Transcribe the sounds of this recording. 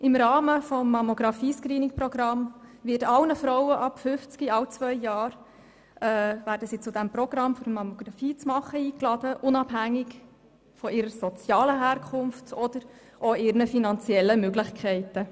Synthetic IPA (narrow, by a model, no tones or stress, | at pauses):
ʔɪmɾɑːməfɔmːɑmoɡɾɑfiːskɾiːnɪŋprɔɡɾɑmvɪtɑlnəfɾɔwəʔɑpfʏft͡skiɑwt͡sʋœʏːɑːɾ | ɛvæːɾdəsiːt͡sʊdæmprɔɡ̥ɾɑmfyɾmɑmoɡ̥ɾɑfiːt͡smɑχəiːklɑd̥əʔʊnɑbɦæŋːɪk | fɔʔɪɾəsɔt͡sjɑːləɦæːɾkʰʊnftɔd̥̪əɾ | ʔoɪɾnəfinɑnt͡sjɛlːəmøɡlɪχkʰɛɪtə